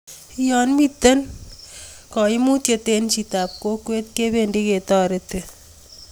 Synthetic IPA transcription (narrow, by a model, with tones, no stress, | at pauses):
ijɔ˨nmit̪ːɐ˦n | kɔ˨imu˦t̪jet̪eː˦nt͡ʃit̪a˨p̚ko˦kwe˦t̪̚ke˦beːndi˦ke˨t̪ɔː˨ɾet̪e